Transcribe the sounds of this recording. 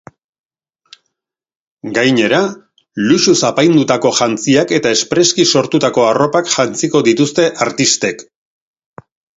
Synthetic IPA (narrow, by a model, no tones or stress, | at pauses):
ɡajɲe̞ɾa | luʃusapajnd̪ut̪ako̞ʝant͡siake̞t̪ae̞spɾe̞skiso̞ɾt̪ut̪ako̞aro̞pakʝant͡siko̞ðit̪ust̪e̞ʔaɾt̪ist̪e̞k